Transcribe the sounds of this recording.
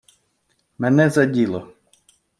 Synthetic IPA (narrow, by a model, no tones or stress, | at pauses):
mɛnɛzɐdʲilˠɔ